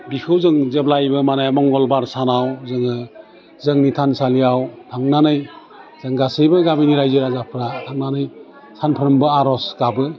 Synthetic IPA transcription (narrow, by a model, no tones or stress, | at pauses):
bikʰɯwzɯŋzeb̚lajbɯmanajmɔŋɡɔlbaɾsanawzɯŋɯ | zɯŋnitʰansalijawtʰaŋnanɯj | z̥ɯŋɡasɯjbɯɡabiniɾajzɯɾazapʰɾatʰaŋnanɯj | sanpʰɯɾɯmbɯaɾɔsɡabɯ